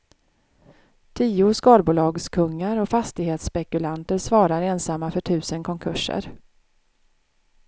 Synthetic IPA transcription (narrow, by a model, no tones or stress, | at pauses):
t̪ʰiːʊskɑːd̪buːlɑːɡskʰɵŋːaɾɔfast̪ɪɡheːt̪spɛkɵlant̪əɾsvɑːɾaɾeːnsamːafœʈʰʉ̟ːsənkʰɔŋkʰɵʂə̰ɾ